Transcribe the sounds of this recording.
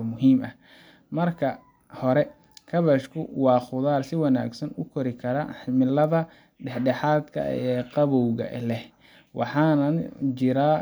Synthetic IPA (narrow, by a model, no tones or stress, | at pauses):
mʊɦiːmɐh | mɐrkʰɐ | hɔɾɛ | kʰɐβɐʃkʰʊwɑːχʊðaːrsɪwɑna̰ːɡsɐnʊkʰɔɾɪkʰɐɾɐħɪmɪlɐðɐ | ɖɛħɖɛħɑːd̪kʰɐ̰ɛqɑβɔwɣɐ̰lɛh | wɑ̰ħɑːnɐnt͡ʃɪɾaː